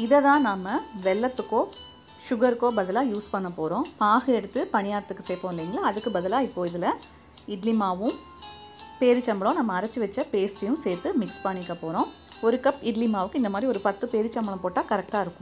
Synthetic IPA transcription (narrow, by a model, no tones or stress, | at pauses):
ɪðɐðãːnaːmɐʋɛlːɐt̪ːɯkːoː | ʃʊɣɐɾɯkːoːbɐðɐlãːjuːspɐɳːɐpːoːɾõːpaːɣɯɛɽɯt̪ːɯpɐɳɪjaːɾɐt̪ːɯkːɯsɛːpːoːɪlːiːŋɡɐɭaːðɯkːɯbɐðɐlaːɪpːoːɪðɪlɐ | ɪɖlɪmaːʋɯ̃ | peːɾɯt͡ʃːɐmbɐɭõnɐmːɐːɾɐt͡ʃːɯʋɛt͡ʃːɐpeːsʈɐjɯ̃mseːɾt̪ːɯmɪkspɐɳːɪkːɐpoːɾõː | ɔɾɯkɐpːɪɖlɪmaːʋɯkːɯɪnd̪ɐmaːd̪ɾiɔɾɯpɐt̪ːɯpeːɾɯt͡ʃːɐmbɐɭɐ̃poːʈːaːkɐɾɛk̚ʈaːɪɾɯkːʊ̥̃